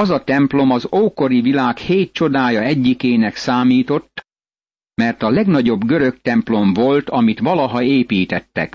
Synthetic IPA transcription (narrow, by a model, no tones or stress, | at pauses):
ɒzɒt̪ɛmplo̞mɒzoːko̞ɾivilaːkheːt̪̚t͡ʃo̞d̪aːjɒɛɟːikeːnɛksaːmiːt̪o̞t̪ː | mɛrt̪ɒlɛɡn̪ɒɟo̞bɡøɾø̞kt̪ɛmplo̞ɱvo̞lt̪ɒmit̪ʋɒlɒɦɒeːpiːt̪ɛt̪ːɛ̰k